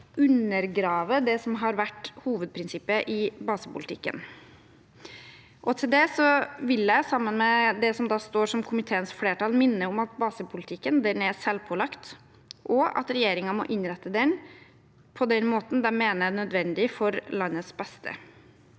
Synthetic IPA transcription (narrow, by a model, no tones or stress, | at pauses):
ʉnːəɾɡɾɑːʋəd̪ɛsɔmɦɑɾʋæʈːhuːʋəd̪̚pʰɾɪnsɪpːəʔɪbɑːsəpʰʊlt̪ʰɪ̰kːə̰n | ʔɔt̪ʰɪld̪ɛsɔʋɪljæɪsɑmːənmɛd̪ɛsɔmd̪ɑːst̪oːʂɔmkʰʊmɪt̪ʰeːənsfleːʈɑːlmɪnːəʊmɑt̪̚bɑːsəpʰʊlɪt̪ʰɪkːənd̪ɛnɛsɛlpʰɔlɑkt̪ | ʔɔɑ̰t̪ɾɛjeːɾɪŋɑmɔ̰ʔɪnɾɛt̪ːəd̪ɛn | pʰɔd̪ɛnmoːt̪n̩d̪ɛmeːnənœd̪ʋɛnd̪ɪfɔɾlɑnːəsbɛst̪ʰə̰